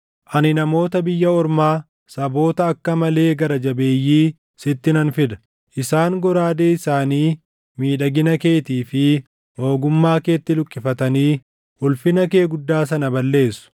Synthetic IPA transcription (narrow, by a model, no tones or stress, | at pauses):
ʔɐnɪnɐmo̞ːt̪ɐbɪjːɐɔɾmaː | sɐbo̞ːt̪ɐːkːɐmɐle̞ːɡɐɾɐd͡ʒɐbe̞ːjːiː | sɪt̪ːɪnɐnfɪd̪ɐ̥ | ʔɪsaːŋɡɔɾaːd̪eːɪsaːniː | miːᶑɐɡɪnɐke̞ːt̪iːfɪ | o̞ːɡʊmːaːke̞ːt̪ːɪlʊkʼːɪfɐt̪ɐniː | ʔʊlfɪnɐke̞ːɡʊd̪ːaːs̬ɐnɐbɐlːe̞ːsʊ̥